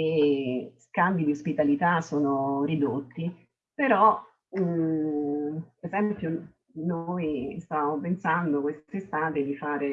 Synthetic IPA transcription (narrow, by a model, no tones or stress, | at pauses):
eskambid̪iospit̪alit̪asoːnoɾid̪ot̪ːi | peɾɔ | ezɛmpjo | nojst̪amopensand̪okwest̪sest̪aːt̪ed̪ifaːɾe